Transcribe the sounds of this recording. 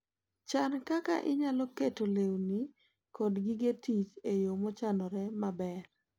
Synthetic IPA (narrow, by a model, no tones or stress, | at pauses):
t͡ʃankaka̰ʔɪɲalɔketolewni | kɔdɡiɡetit͡ʃejomɔt͡ʃanɔɾɛmabɛɾ